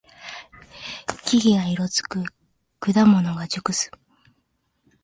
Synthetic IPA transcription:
kʲiɡʲiɡaiɾo̞t͡sɨ̥kɯ̟ | kɯ̟d̪amo̞no̞ɡad͡ʑɨkɯ̟sɨ̥

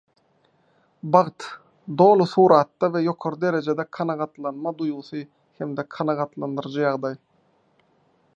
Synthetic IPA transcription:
bɑʁt̪ | d̪o̞ːlˠuθuːɾɑt̪ːɑvejo̞qʰoɾid̪e̞ɾe̞d͡ʒe̞d̪ekʰɑnɑʁɑt̪lˠɑnmɑd̪ujmuθɯ | hemd̪ekʰɑnɑʁɑt̪lˠɑnd̪ɯɾd͡ʒɯjɑʁd̪ɑj

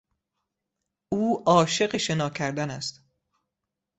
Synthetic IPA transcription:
ʔuːɒːʃe̞ɢeʃe̞nɒːcʰæɾd̪ænæst̪

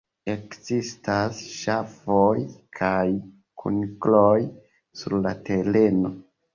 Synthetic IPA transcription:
e̞kzistasʃafojkʰaj | kʰṵnkloj | suɾlate̞le̞no̞

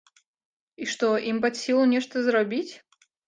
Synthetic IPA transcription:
iʂt̪oʔimpɐt̪ʲsʲilˠʊnʲeʂt̪əzəɾɐbʲitʲ

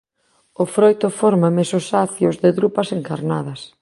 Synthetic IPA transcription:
ʊfɾojt̪ofoɾmamesosaθjozðɪðɾupɐseŋka̰ɾnaðɐs

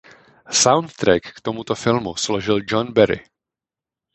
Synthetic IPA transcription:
sawnt̪ːɾɛkːt̪omut̪o̞fɪlmusloʒɪld͡ʒonbɛɾɪ̰

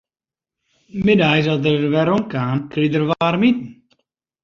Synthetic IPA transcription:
mɪdajs̬ɔtərʋɛɾɔnkaːnkridərʋaːrmit̚n̩

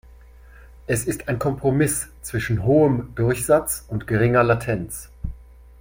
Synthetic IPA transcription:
ʔɛsɪstaɪnkʰɔmpʁ̥omɪst͡sv̥ɪʃn̩ɦoːəmdʊɐçz̥at͡sʊntɡ̥əʁɪŋɐlatʰɛnt͡s

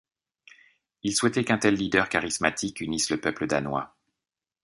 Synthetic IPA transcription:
ilswɛt̪ɛkɛ̃t̪ɛlːid̪œʁkaʁismat̪ʰikynisləpœpləd̪anwa̰

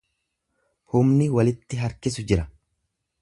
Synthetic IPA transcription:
hʊmnɪwɐlɪt̪ːɪɦɐɾkɪs̬ʊd͡ʒɪɾɐ

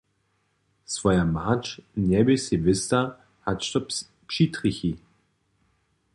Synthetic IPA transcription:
svɔjamat͡ʃɲɛbɪsɪvɪst̪a | hatʃt̪ɔp | pʃit̪ɾixi

